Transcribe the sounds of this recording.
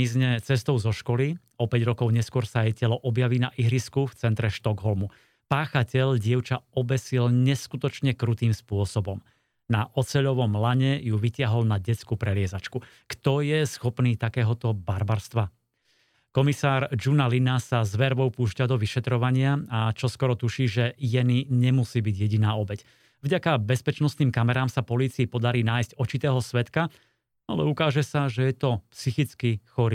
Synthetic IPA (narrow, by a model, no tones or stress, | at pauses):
izɲɛt͡sɛst̪ɔʊzɔʃkɔli | ɔpɛɟɾɔkɔʊɲɛskʊɔɾsaajcɛlɔʔɔbjaʋiːnaʔiɦɾiskuft͡sɛnt̪ɾɛʃt̪ɔɡɦɔlmu | paːxacɛʎɟɪɛʊt͡ʃaɔbɛsilɲɛskut̪ɔt͡ʃɲɛkɾut̪iːmspʊɔsɔbɔm | naʔɔt͡sɛʎɔʋɔmlaɲɛjuʋicɪaɦɔlnaɟɛt͡skupɾɛlɪɛzat͡ʃku | kt̪ɔjɛsxɔpniːt̪akɛːɦɔt̪ɔbaɾbaɾst̪ʋa | kɔmisaːɾd͡ʒunalinasazʋɛɾʋɔʊpuːʃcad̪ɔʋiʃɛt̪ɾɔʋaɲɪaat͡ʃɔskɔɾɔt̪uʃiːʒɛjɛniɲɛmusiːbiɟjɛɟinaːɔbɛc | vɟakabɛspɛt͡ʃnɔstniːmkamɛɾaːmsapɔliːt͡siipɔd̪aɾiːnaːjsɟɔt͡ʃit̪ɛːɦɔsʋɛt̪ka | a̰lɛ̰ukaːʒɛsaʒɛjɛt̪ɔpsixit͡skixɔɾiː